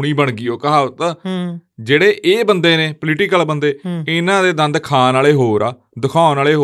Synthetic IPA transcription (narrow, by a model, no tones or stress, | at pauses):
ɽ̃ĩːbəɳɡiːoːkəɦaːt̪ə | d͡ʒeːɽeːʔeːbənd̪eːneːpəlɪʈɪkəlbənd̪eːɪnãːd̪eːd̪ə̃nd̪kʰaːnaːleːɦoːɾaː | d̪əkʰãːnaːleːɦo